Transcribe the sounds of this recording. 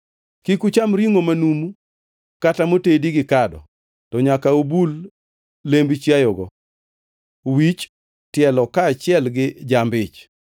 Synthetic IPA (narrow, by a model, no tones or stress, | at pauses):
kikut͡ʃamɾiŋomanumu | katamotediɡɪkadɔ̰ | tɔɲakaobulː | embit͡ʃjajɔɡɔ | wit͡ʃ | tjɛlɔkaːt͡ʃɪɛlɡɪd͡ʒambɪt͡ʃ